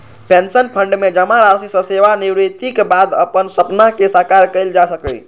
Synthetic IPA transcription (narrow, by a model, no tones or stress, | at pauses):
pensənpʰəɳɖmed͡ʒəmaɾasisə̃seʋaniwɾit̪ikbad̪ə̰pənsəpnaɦkesakaɾkəɪld͡ʒasəkəj